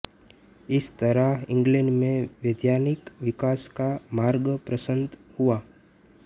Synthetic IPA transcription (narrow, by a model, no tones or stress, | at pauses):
ɪst̪əɾaɪ̃ŋɡleɳɖmẽʋjed̪janikʋikaskamaɾɡəpɾəsənt̪hua